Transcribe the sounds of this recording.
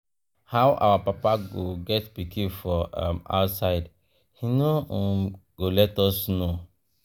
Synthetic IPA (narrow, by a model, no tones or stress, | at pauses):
hawʔa̰wapapaɡoɡɛtpikʰĩfɔãma̰ʊtsaɪd | hinõ | ɡ̥olɛtɔsno